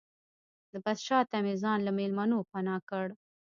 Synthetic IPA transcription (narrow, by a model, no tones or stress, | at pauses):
d̪əbad̪ʃɑt̪amizɑnlamelmanopanɑkəɽ